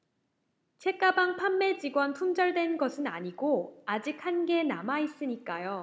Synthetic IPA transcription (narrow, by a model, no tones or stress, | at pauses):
t͡ɕʰe̞k͈abaŋpʰamːe̞d͡ʑiɡwʌntʰoŋd͡ʑʌɭdwe̞nɡʌsʰɯna̰ɲiɡoad͡ʑik̚hanɡe̞namais͈ɯɲik͈ajo